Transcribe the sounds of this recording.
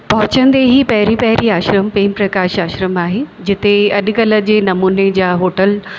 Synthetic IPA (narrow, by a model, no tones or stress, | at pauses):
pɐɦʊt͡ɕə̃nd̪eɦiːpɐɦɪɾipɐɦɪɾiaːʃɾəmpeːmpɾɐkaːʃaːʃɾəmaːɦeːd͡ʑɪt̪eɐɗ̆kɐlə̆d͡ʑeːnɐmuːned͡ʑaːɦoːʈəl